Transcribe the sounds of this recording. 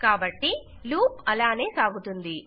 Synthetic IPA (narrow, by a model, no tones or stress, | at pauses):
kaːbɐʈːi | luːpɐlaːne̞ːsaːɡut̪und̪i